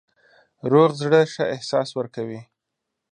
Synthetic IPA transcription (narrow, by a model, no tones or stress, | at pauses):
ɾoɣzɽəʃaʔɪhsɑswəɾkawi